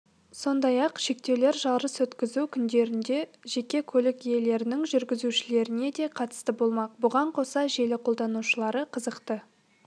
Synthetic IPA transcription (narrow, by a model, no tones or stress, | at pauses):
so̞nd̪ɑjɑqʃe̞k̚t̪e̞wle̞ɾʒɑlˠɾəswɵt̪kʲɪzukʲʰʏnd̪e̞ɾɪnd̪e̞ʒe̞kʲe̞kʲʰɵlɪkje̞le̞ɾɪnɪŋʒʏɾɡʲɪzuʃɪle̞ɾɪne̞d̪e̞qʰɑt̪ə̥st̪əbo̞lˠmɑq̚bʊʁɑɴqʰo̞sɑʒe̞lɪqʰo̞lˠd̪ɑnuʃəlˠɑɾəqʰəzəqt̪ə